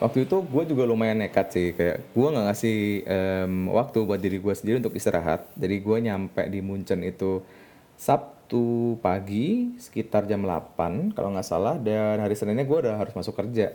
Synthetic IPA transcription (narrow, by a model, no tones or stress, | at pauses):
wʔa̰k̚t̪uit̪uɡuad͡ʒuɡalumajanekat̪sɪhkaja̰ʔɡ̥uaŋɡaʔŋasɪhəmwʔa̰k̚t̪ubuat̪̚diɾiɡuasəndiɾiunt̪ʊk̚ist̪əɾʔa̰ɦa̰t̪̚d͡ʒadiɡuaɲampɛ̰ʔdimuɲt͡ʃənit̪u | sap̚t̪upaɡisə̥kit̪ard͡ʒamla̰panka̰loŋɡaʔsa̰lahdanɦaɾisənɪnɲaɡuaudaɦaɾʊsmasʊkːərd͡ʒa